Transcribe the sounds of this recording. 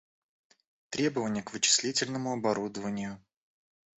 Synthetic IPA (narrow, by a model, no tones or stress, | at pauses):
t̪ɾʲe̞bəvənʲɪjəkvɨt͡ɕɪ̥sʲlʲitʲɪlʲnəmʊɐbɐɾud̪əvənʲɪjʊ